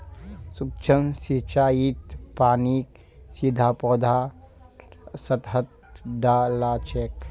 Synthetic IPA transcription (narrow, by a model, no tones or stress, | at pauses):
suk̚t͡ʃʰəmsit͡ʃaːjit̪paːniːk | sid̪ʱaːpɔːd̪ʱaː | sɐt̪ɦət̪̚ | ɖaːlaːt͡ʃeːk̚